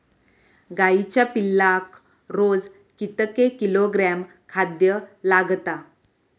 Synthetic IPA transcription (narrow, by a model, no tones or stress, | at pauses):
ɡait͡ɕjapilːak | ɾod͡z | kit̪əkekiloɡɾɛm | kʰad̪jəlaɡt̪a